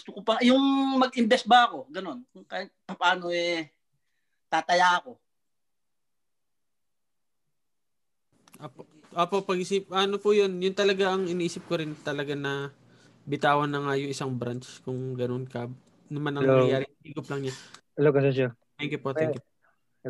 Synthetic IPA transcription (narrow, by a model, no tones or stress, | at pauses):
st̪okopɐjʊŋmɐɡʔɪmbɛs̚bɐɐko̞ɡɐno̞nkʊŋkapɐpaːno̞ɛ | t̪at̪ɐjaɐko̞ | ʔoːpoʔ | ʔoːpo̞ʔpɐɡɪsiːp̚ʔɐnopʊjonjʊnt̪ɐlɐɡaʔɐŋɪniʔiːsɪp̚koɾɪnt̪ɐlɐɡanɐ | bɪt̪aːwɐnɐŋajʊŋʔɪsaŋbɾant͡ʃkʊŋɡɐno̞nkɐ | nɐmanʔɐŋmŋɐjaːɾɪliːɡʊplɐŋɲa | ɐloɡɐsɛs̬ɐ | t̪ɛŋkɪpoʔt̪ɛkɪʔ